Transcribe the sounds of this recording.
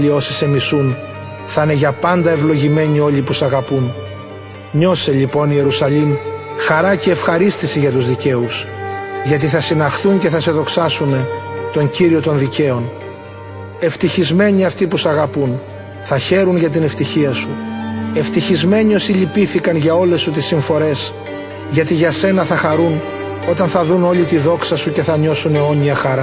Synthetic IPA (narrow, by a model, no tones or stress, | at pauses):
io̞sise̞misun | θɐne̞ʝɐpɐnd̪ɐe̞vlo̞ʝime̞ɲio̞ʎipusɐɣɐpun | ɲo̞se̞ʎipo̞nie̞ɾusɐʎim | xɐɾɐce̞ːfxɐɾist̪isiʝɐt̪uzðice̞usʝɐt̪̬iθɐsinɐxθuɲce̞θɐse̞ðo̞ksɐsume̞t̪o̞ɲɟiɾio̞t̪o̞nðice̞o̞n | e̞ft̪içizme̞ɲiɐft̪ipusɐɣɐpun | θɐçe̞ɾunʝɐt̪̬ine̞ft̪içiɐsue̞ft̪içizme̞ɲio̞siʎipiθikɐnʝɐo̞le̞sut̪isiɱfo̞ɾe̞s | ʝɐt̪iʝɐse̞nɐθɐxɐɾun | o̞t̪ɐnθɐðuno̞lit̪iðo̞ksɐsuce̞θɐɲo̞suneo̞ɲiɐxɐɾɐ